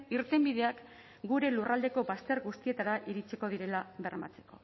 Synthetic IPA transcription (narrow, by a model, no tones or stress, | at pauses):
iɾt̪e̞mbiðe̞ak | ɡuɾe̞lurald̪e̞ko̞bast̪e̞ɾɣust̪ie̞t̪aɾaʔiɾit͡siko̞ðiɾe̞laβe̞rma̰t͡se̞̥ko̞̰